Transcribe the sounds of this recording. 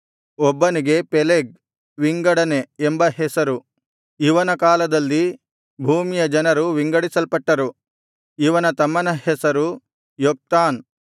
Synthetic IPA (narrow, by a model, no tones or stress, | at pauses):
ɔbːɐniɡe̞peleɡ̚ | ʋiŋɡɐɽɐneːmbɐɦesɐɾu | iʋɐnɐkaːlɐd̪ɐlːi | bʱuːmijɐd͡ʒɐnɐɾuʋiŋɡɐɽisɐlpɐʈːɐɾu | iʋɐnɐt̪ɐmːɐnɐɦesɐɾu | jok̚t̪aːn